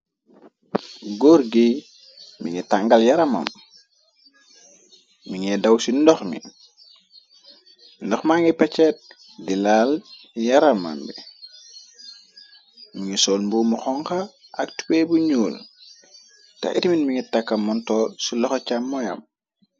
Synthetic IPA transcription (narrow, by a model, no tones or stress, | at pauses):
ɡɔɾɡi | mḭŋɛtaŋɡɐljaɾɐma̰m | miŋɛdɐwsindɔxmḭn | ndɔxmaŋɛpɛt͡ʃɛt̚ | dilaːl | jaɾɐma̰mbḭ | miŋisɔːlmbuːmuxɔŋxɐʔɐktu̥pɛːbuɲuːl | ta̰ḭtiminmiŋitakːɐmːɔntɔsulɔxɔcamːɔjɐ̰m